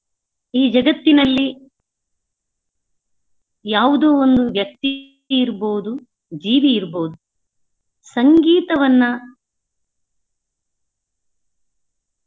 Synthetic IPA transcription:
iːd͡ʒɐɡɐt̪ːinɐlːi | jaːʋud̪oːond̪uʋjɐk̚t̪i | iɾboːd̪u | d͡ʒiːʋiiɾboːd̪u | sɐŋɡiːt̪ɐʋɐnːɐ

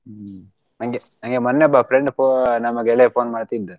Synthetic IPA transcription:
naŋɡenaŋɡemɔnːeɔbapɾeɳɖponɐmɐɡeɭepʰoːnmaːɖt̪id̪ːɨ

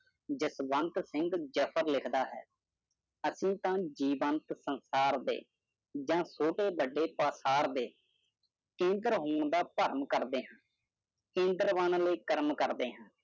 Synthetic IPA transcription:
d͡ʒɪsʋənt̪sɪŋɡd͡ʒəpʰəɾlɪkʰd̪aːɦɛ̰ː | əsĩːt̪ãːd͡ʒiːʋənt̪sənsaːɾd̪ḛː | d͡ʒãːsoːʈeːbəɖːeːpaːsaːɾd̪eː | kẽːnd̪ɾɦoːɳd̪aːpəɾmkəɾd̪eːɦãː | kẽːnd̪əɾʋənləːkəɾmkəɾd̪eːɦãː

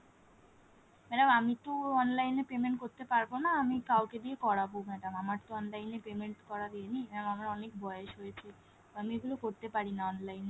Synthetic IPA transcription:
mɛɖamamit̪oɔnlajnepemeɳʈ̚koɾt̪epaɾbonaːmikawked̪iekɔɽabomɛɖamamaɾt̪oɔnlajnepemeɳʈkɔɾad̪ienimɛamamaɾɔnek̚bʱɔjeʃɦojet͡ɕʰe | amieɡulokoɾt̪epaɽinaɔnlajne

